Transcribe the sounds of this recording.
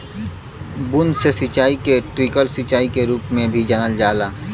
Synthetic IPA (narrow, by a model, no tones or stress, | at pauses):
bʊnd̪sesɪt͡ʃaːikeʈɾikəlsɪt͡ʃaːikeɾuːpmẽbʱid͡ʒanəld͡ʒaːlaː